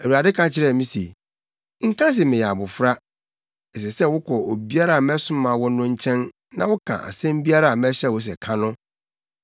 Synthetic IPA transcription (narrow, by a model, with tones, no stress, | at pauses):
æ˨u˨a˨dɪ˦kʰã˦t͡ɕʰɪ˦ɾɛ˦˨mĩ˦se˨ | ŋ̩˦kã˦s̬ɪ˨mɪ̃˨jɛ˨a˨bʊ˨fɾa˦ | ɛ˨s̬ɛ˨sɛ˦wʊ˦kʰɔ˨o˨bi˦a˦ɾa˨m˦ɛ˦sʊ̃˦mã˨wɔ˦nʊ̃˦ɲ̩˦t͡ɕʰɛ̃˦n | nã˦wʊ˦kʰã̰˨ʔa̰˨sɛ̃˦m˦bi˦a˦ɾa˦˨mɛ˦ɕɛ˦˨wɔ˨˦s̬ɛ˨kʰã˦nʊ̃˦